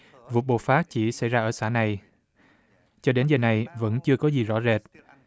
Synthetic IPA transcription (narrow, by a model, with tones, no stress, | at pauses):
vṵ˨˩t̚ɓo̰˨˩faː˦˥t̚t͡ɕi˧˩sa̰˧˩jzaː˧ʔəː˧˩saː˧˩na˨˩j | t͡ɕɔ˧ɗe˨˦nzəː˨˩na˨˩jvə̰˧˥nt͡ɕɨ˧əkɔ˨˦zi˨˩zɔ̰˧˥ze˨˩t̚